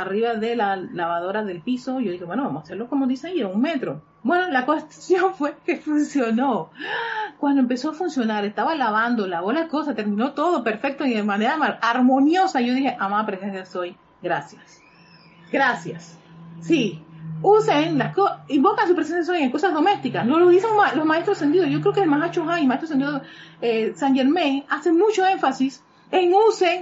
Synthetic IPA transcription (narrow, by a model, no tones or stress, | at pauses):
ariβaðe̞lalaβaðo̞ɾaðe̞lpiso̞ʝo̞ðixe̞βwe̞no̞βamosaseɾlo̞komoðiseieuŋme̞t̪ɾo̞ | bwe̞no̞lakest̪sjo̞ɱfwe̞ke̞funsjo̞no | kwand̪oempe̞so̞afunsjo̞naɾe̞st̪aβalaβand̪olaβo̞lahko̞sast̪e̞ɾmĩno̞t̪oðo̞pe̞ɾfe̞k̚t̪oiðemaneɾamalaɾmo̞njo̞saʝo̞ðixe̞ʔamapɾesensjaso̞j | ɡɾasjas | ɡɾasjasːiuseŋlaskoimbo̞kans̬upɾesensjas̬ojeŋko̞sazðo̞me̞st̪ikasloloðiseŋmalosmaest̪ɾose̞nd̪iðoʝo̞kɾeokelmasat͡ʃoɦajmaet̪ɾos̬end̪iðo | esaŋʝeɾmẽŋase̞ŋmut͡ʃoe̞ɱfasis | eŋuseŋ